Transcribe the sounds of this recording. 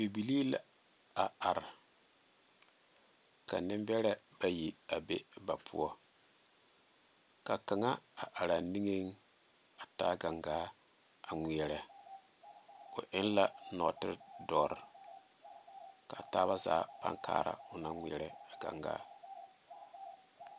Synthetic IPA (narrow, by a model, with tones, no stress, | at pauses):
bi˨bi˨li˦la˨ | a˨a˨ɾa˨ | ka̰˨nɪ˦mbɛ˦ɾɛ˦ba˦ji˨a˨be˦ba˨pʰṵ˦ɔ˦ | ka˨ka˨ŋa˦a˨ʔa˨ɾa˨ni˦ŋe˦ŋ | a˨ta˦ɡa˨ŋɡaː˦ | a˨ŋʷi˨ɛ˨ɾɛ˨ | ʊ˨ʔɪ˦nla˦nɔ˨tɪ˦ɾdɔ˨ɾ | ka˨taː˦βa˦za̰ː˨˦pa̰˦ŋka̰ː˨ɾa̰˨ʊ˨na˦ŋʷi˨ɛ˨ɾɛ˨a˨ɡ̥a̰˨ŋɡa̰ː˦